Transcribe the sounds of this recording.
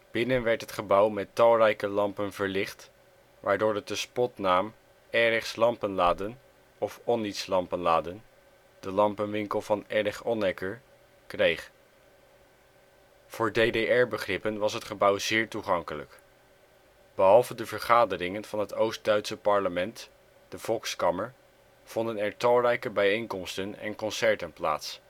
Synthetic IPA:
b̥ɪnənʋɛɹtɦətχəbʌwmɛtɑlˠrɛjkəlɑmpənvəɹlɪχt | ʋʔaːɹdʊːɹət̚dəspɔtnaːm | ɛɾɪχslɑmpənlaːdən | ɔfɔnitslɑmpənlaːdən | d̥əlɑmpənʋɪŋkəlˠvɑnɛrɪχɔnɛkəɹ | krejχ | v̥ʊːɹdejdejɛɹbəχrɪpənʋɑsɦətχəbʌwzɪːɹtuχɑŋkələ̰k | b̥əɦɑlˠvədəvəɹχaːdərɪŋənv̥ɑnɦətowst̚dœɥtsəpɑɹləmɛnt | d̥əv̥ɔlˠkskɑməɹ | v̥ɔndənɛɹtɑlˠrɛjkəbɛjejŋkɔmstənɛ̰nkɔnsɛɹtənpla̰ːts

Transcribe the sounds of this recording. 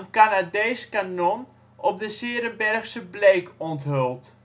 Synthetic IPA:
ənkanadejskanɔn | ʔɔp̚dəsɪːɾənbɛrxsəbleːkɔntɦølˠt

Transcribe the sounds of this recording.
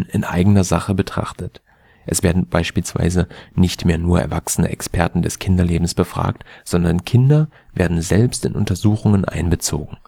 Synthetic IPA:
nɪnʔa̰ɪɡənɐzaχəbətʁ̥a̰χtʰət | ʔɛsv̥eːɐdn̩b̥aɪʃpiːlsv̥a̰ɪzənɪçtmeːɐnuːɐɛ̰ɐvaksənə̰ʔɛkspʰɛɐtn̩dɛskʰɪndɐleːbm̩sb̥əfʁ̥a̰ːk̚tz̥ɔndɐnkʰɪndɐ | v̥eːɐdn̩zɛlpstɪnʔʊ̰ntɐzuːxʊŋənʔa̰ɪnbət͡so̰ːɡŋ̩

